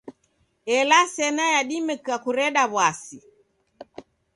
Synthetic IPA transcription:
ɛlasɛnajaɗimɛkakuɾɛɗaβwasi

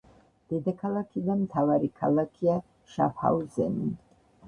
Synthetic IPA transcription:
d̪̥ɛd̪akʰalˠakʰid̪amt̪ʰavaɾikʰalˠakʰia | ʃa̰fha̰wzɛ̰ni

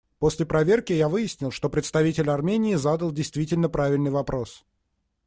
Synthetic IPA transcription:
po̞sʲlʲɪpɾɐvʲerkʲɪjavɨjɪsʲnʲɪlˠʂt̪o̞pɾʲɪt̪st̪ɐvʲitʲɪlʲɐrmʲenʲɪːzad̪əlˠdʲɪjst̪vʲitʲɪlʲnəpɾavʲɪlʲnɨjvɐpɾo̞s

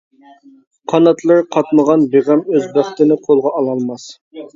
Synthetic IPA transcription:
qʰɑnɑt̪lˠɨɾqʰɑt̪məʁɑnbeʁɛmøzbæχt̪ɪnɪqʰolˠʁɑːlˠɑlˠmɑs

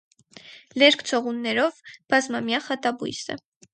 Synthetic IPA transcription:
lɛɾkʰt͡sʰɔʁunːɛɾɔvb̥ɑzmɑmjɑχɑt̪ɑbṵjsə̰

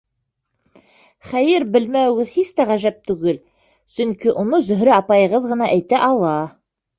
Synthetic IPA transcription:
χæjɘɾbɘ̆lmæwɘɡɘðhist̪æʁæʒæp̚t̪ʉɡɘl | sɵŋkiʔunɤzɵ̆ɦɾɘɑpɑjɤ̆ʁɤðʁɤ̆nɑʔæjt̪æʔɑlˠɑ

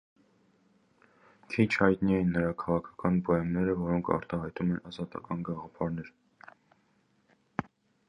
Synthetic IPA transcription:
kʰit͡ʃʰhɑjt̪niɛjinːəɾɑkʰɑʁɑkʰɑ̥kɑnbɔɛmnɛɾəvɔɾɔŋkʰɑ̰ɾt̪ɑɦɑjt̪umɛnɑzɑt̪ɑ̰kɑnɡɑʁɑpʰɑɾnɛɾ

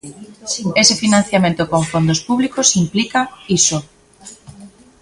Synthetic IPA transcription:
esefinãn̟θjamẽnt̪okoɱfond̪ospuβlikosimplikaiso

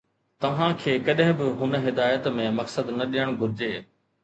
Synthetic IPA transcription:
t̪ɐʋ̤ãkʰeːkɐɗɦɪ̃bɪɦʊnɦɪd̪aːjət̪mẽmɐksəd̪nɐɗijəɽ̃ɡʱʊɾɪd͡ʑeː

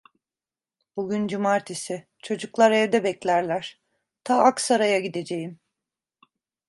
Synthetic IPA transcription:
buɡʲynd͡ʒumaɾt̪ʰisɪ | t͡ʃʰo̞d͡ʒuklˠaɾɛvd̪ɛbɛclʲæɾlʲæɾ̥ | t̪ʰaaksaɾajaɟid̪e̞d͡ʒe̞jim

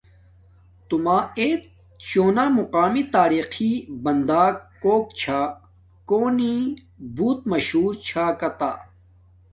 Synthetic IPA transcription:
t̪umaːeːt̪̚ | t͡ɕoːnaːmuqaːmit̪aːɾiːxibɐnd̪aːkː | oːkt͡ɕʰaː | koːni | buːt̪̚mɐɕɦuːɾt͡ɕʰaːkɐt̪a̰ː

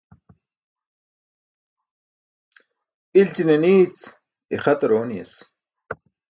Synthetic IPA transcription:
ilt͡ɕineniːt͡s | iχɐt̪ɐɾoːnijḛs

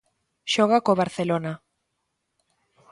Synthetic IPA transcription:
ʃoɣ̞akoβ̞aɾθelona

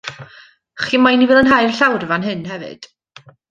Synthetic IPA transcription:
χiːmajnivɛːlˠənɦajrɬawrvanɦɨnhɛvɨ̰d̥

